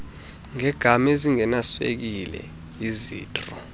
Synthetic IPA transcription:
ŋɛɡ̥ʱamɛziŋɛnaswḛk̬ilɛ̰ | izḭːtʼrɔ

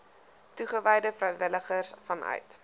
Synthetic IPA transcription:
tuχəvɛjdəfrœɥvələχərsfɐnʔœ̰ɥt

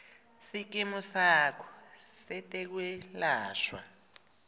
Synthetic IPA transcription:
sik̬ʼimusakʰɔ̥sɛtʼɛk̬wɛlaːʃwa̰

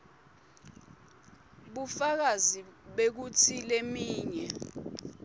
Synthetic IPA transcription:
ɓufak̬aziɓek̬utʰilemiːɲɛ

